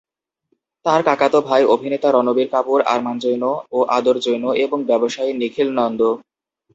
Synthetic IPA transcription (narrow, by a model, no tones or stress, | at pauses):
t̪aɾkakat̪obʱajobʱinet̪aɾɔnobiɾkapuɾa̰ɾmand͡ʑojnooʔad̪oɾd͡ʑojnoʔeboŋbɛboʃajnikʰilnɔnd̪o